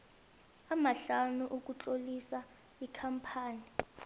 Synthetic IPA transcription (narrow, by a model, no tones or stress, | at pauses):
amaɬanuʔuk̬ʼut͡ɬʼolisa | ikʰampʰaːni